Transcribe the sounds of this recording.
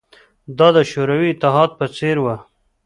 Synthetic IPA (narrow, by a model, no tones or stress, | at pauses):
d̪ɑd̪əʃoɾawiːt̪ɪɦɑːd̪̚pət͡seɾwa